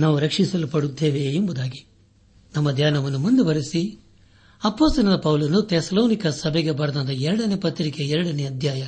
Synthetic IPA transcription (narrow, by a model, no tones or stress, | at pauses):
naːʋuɾɐkʂisɐlupɐɽud̪ːeːʋeːmbud̪aːɡi | nɐmːɐd̪ʱjaːnɐʋɐnːumund̪eʋɐɾisi | ɐpoːst̪ɐnɐd̪ɐpɐwlɐnut̪esɐloːnikɐsɐbʱɛɡebɐɾɐd̪ɐnd̪ɐɛɾɐɽɐnepɐt̪ːɾikeɛɾɐɽɐneɐd̪ʱjaːjɐ